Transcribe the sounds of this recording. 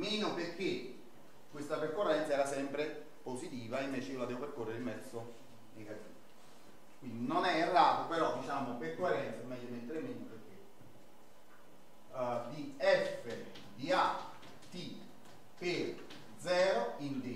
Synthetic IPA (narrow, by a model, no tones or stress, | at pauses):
miːnopeɾk̟ːe | kwest̪aperkːorːɛnt̪saɛːɾasɛmpɾe | posit̪iːvaiɱveːt͡ʃeiːolad̪ɛvopeɾkorːeɾimɛt̪sːo | neɡat̪iːvo | kwind̪inonɛerːaːt̪opeɾɔd̪it͡ʃaːmoperkoerːɛnt̪samɛjːomet̪ːeɾemiːnoperk̟ːe | d̪iɛfːe | d̪ia | t̪i | peɾ | d̪zɛːɾoind̪i